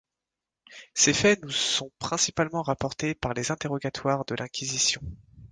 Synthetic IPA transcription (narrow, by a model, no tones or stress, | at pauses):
sefɛnusɔ̃pχɛ̃sipalmɑ̃ʁapɔʁt̪epaʁlezɛ̃t̪eʁɔɡat̪waʁd̪əlɛ̃kʲizisjɔ̃